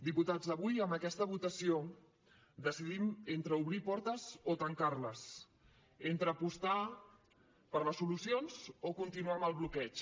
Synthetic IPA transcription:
d̪iput̪azðəβujəmbəkɛst̪əβ̞ut̪əsio | d̪əsiðiment̪ɾəuβɾipɔɾt̪əzot̪əŋkaɾləs | ent̪ɾəːpust̪a | pəɾləsːulusionzokunt̪inuaməlˠβlukɛt͡ʃ

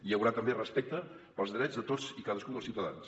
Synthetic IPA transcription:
iəwɾat̪əmberəspɛk̚t̪ə | pəlˠzðɾɛd͡zzðət̪od͡zikaðəskud̪əsiwt̪əða̰ns

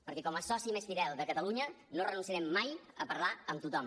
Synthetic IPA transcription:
pəɾkɛkɔməsɔsiməst̪iɾɛlˠd̪əkət̪əluɲə | norənunsiəɾɛmːajəpəɾlaəmt̪ut̪ɔm

